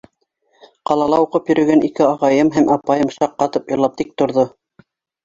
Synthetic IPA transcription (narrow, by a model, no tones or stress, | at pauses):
qɑlˠɑlˠɑuqɤpjɵ̆ɾʔɵ̆ɡænikɘɑʁɑjɤmɦæmʔɑpɑjɤmʃɑqːɑt̪ɤpjɤ̆lˠɑp̚t̪ik̚t̪ŏɾðo